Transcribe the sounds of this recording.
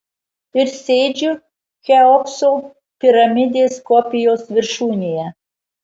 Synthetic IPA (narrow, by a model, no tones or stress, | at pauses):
ɪɾsʲeːd͡ʒʲu | xʲɛoksol | pʲiɾɐmʲɪd̪ʲeːskopʲɪjosʋʲɪrʃuːnʲejɛ